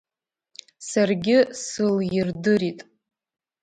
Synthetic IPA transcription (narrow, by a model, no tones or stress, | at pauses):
sarɡʲɪsɨljirdɨɾitʼ